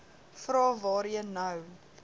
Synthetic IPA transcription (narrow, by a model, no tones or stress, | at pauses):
frɑːvɑːɾiənəw